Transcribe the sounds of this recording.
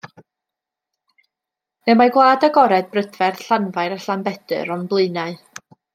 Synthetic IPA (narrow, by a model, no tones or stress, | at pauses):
nemaɡwlˠaːdəɡɔɾɛd̚brədvɛrɬanvaɨɾaɬambɛdɨ̰ɾɔnblˠɨɨnaɨ